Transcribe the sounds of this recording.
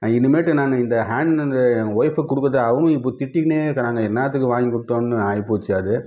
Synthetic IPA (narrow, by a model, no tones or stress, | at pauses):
ɪnːɯmeːʈːɯnaːŋɐɪnd̪ɐɦaːɳɖɐnd̪ɐʋɔjfɐkːʊɽɯkːɾɐðɯɐʋɐŋɐ̃ɪp̬ːoːt̪ɪʈːikːneːkɐnaːŋɡɐɛnːaːt̪̬ːɯkːɯʋaːŋɡikʊɽɯt̪ːõːnːɯaːjpoʋt͡ʃːjaːðɯ